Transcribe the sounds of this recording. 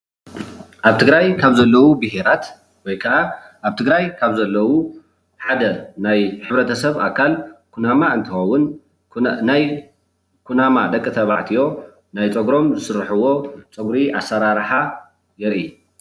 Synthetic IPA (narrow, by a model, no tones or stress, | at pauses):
ʔaβt̪ʰɨɡɾajkʰaβzɐlːɐwubɨheɾat̪ | wɔjkʰɐʔaʔaβt̪ʰɨɡɾajkʰaβzɐlːɐwu | ħad̪ɐnajħɨβɾɐt̪ʰɐsɐβa̰kʰːalkʰunamaɨnt̪ʰɨxɐwːʊn | naj | kʰunamad̪ɐkʼːit̪ʰɐβa̰ʕt̪ʰijo̞ | najt͡sʼoɡɾo̞mzɨsɨɾːħɨwo̞t͡sʼoɡɾiʔa̰sːɐɾaɾħa | jɛɾʔi